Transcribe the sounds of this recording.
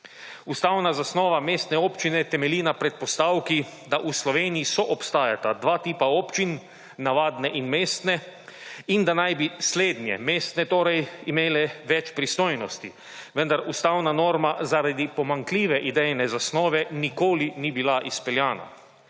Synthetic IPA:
ust̪awnazasnɔːʋameːst̪nɛoːpt͡ʃinɛt̪ɛmɛlinapɾɛt̪̚pɔst̪awkid̪aʔuslɔʋeːnijisɔʔɔpst̪aːjat̪ad̪ʋaːt̪iːpaɔːpt͡ʃinː | aʋaːd̪nɛʔinmeːst̪nɛ | ind̪anajbisleːd̪njɛ̰meːst̪nɛt̪oːɾɛjimeːlɛʋɛt͡ʃpɾist̪oːjnɔst̪i | ʋənd̪aɾust̪awnanoːɾmazaɾad̪ipɔmaŋkliːʋɛʔid̪ɛjnɛzasnɔːʋɛnikoːlinibilaʔispɛljaːna̰

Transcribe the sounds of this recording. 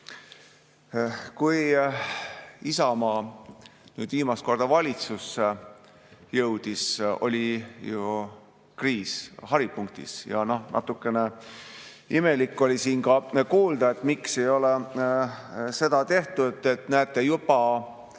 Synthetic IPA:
kuj | isɑmɑː | nyːd̪viːmɑst̪̚ko̞rd̪̥ɑvɑlʲit̪susːe | jɤwd̪̥iso̞̰lʲiju | kriːshɑɾipuŋk̚t̪ḭsjɑ̰nohnʔɑ̰t̪ːˑukːˑe̞ne | ime̞likːˑo̞lʲisiːnkɑkuːld̪̥ɑe̞t̪mikse̞jo̞le | se̞d̪̥ɑt̪e̞ht̪udt̪et̪næːt̪ːˑe̞jubɑ

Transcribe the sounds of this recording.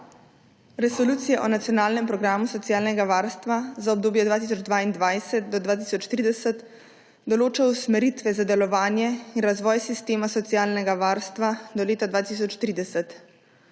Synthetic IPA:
ɾɛsɔluːt̪sijaʔɔnat̪ijɔnaːlnɛmpɾɔɡɾaːmusɔt̪sijaːlnɛɡaʋaːɾst̪ʋazaɔb̚d̪oːbjɛd̪ʋaːt̪is̬ɔd͡ʒd̪ʋaːind̪ʋajsɛt̪̚d̪ɔd̪ʋaːt̪isɔt͡ʃt̪ɾiːd̪ɛsət̪ | d̪ɔloːt͡ʃausmɛɾit̪ʋɛzad̪ɛlɔʋaːnjɛinɾazʋɔːjsist̪eːmasɔt̪sijaːlnɛɡaʋaːɾst̪ʋad̪ɔleːt̪ad̪ʋaːt̪is̬ɔt͡ʃt̪ɾiːd̪ɛsət̪

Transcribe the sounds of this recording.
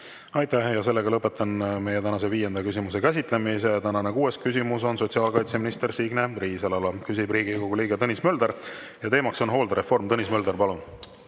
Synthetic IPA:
ɑjt̪æhjɑse̞lːe̞ɡɑlɤpːˑe̞t̪ːˑɑnme̞jet̪ænɑse̞viːjend̪̥ɑkys̬ʲimuse̞kæs̬ʲit̪ˑle̞mise̞t̪ænɑnekuːe̞skys̬ʲimuso̞nso̞tsiɑːlkɑjt̪se̞minist̪e̞ɾsiɡne̞riːselɑlɑkysʲib̥riːɡikoɡ̥uliːɡet̪ɤnʲismø̞ld̪e̞ɾ | jɑt̪e̞ːmɑkso̞nɦo̞ːld̪ɑɾe̞fo̞rmt̪ɤnismø̞ld̪erpɑlun

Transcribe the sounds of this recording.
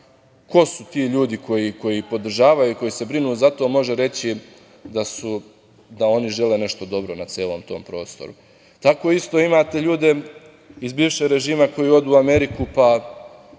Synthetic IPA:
kʰo̞sut̪iːʎuːd̪ikʰo̞jiko̞jipo̞d̪r̩ʒaːʋajuiko̞jise̞bɾinuzat̪o̞mo̞ʒe̞ɾe̞t͡ɕi | d̪asu | d̪ao̞niʒe̞le̞ːne̞ʃt̪o̞d̪o̞bɾo̞nat̪sjeːlˠo̞ːmt̪o̞̰ːmpɾo̞̰ːst̪oɾṵ | t̪ako̞ist̪o̞ːimaːt̪e̞ʎuːd̪e̞ | izbiːʋʃeɡɾe̞ʒiːmako̞jio̞d̪uːame̞ɾikupa

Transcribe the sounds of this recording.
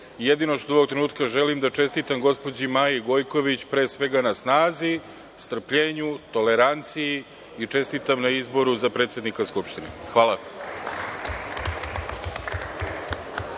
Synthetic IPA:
je̞d̪ino̞ʃt̪oo̞ʋo̞kt̪ɾenuːt̪kaʒe̞limd̪at͡ʃe̞st̪it̪amɡo̞spo̞d͡ʑimaːjiɡo̞jko̞ʋit͡ɕpɾe̞ːsʋe̞ɡanasnaːzi | st̪r̩pʎeːɲut̪o̞leɾant̪siji | it͡ʂe̞st̪it̪amnaizbo̞ɾuzapɾe̞ːt̪sʲjed̪nikaskupʃt̪inḛxʋaːlˠa

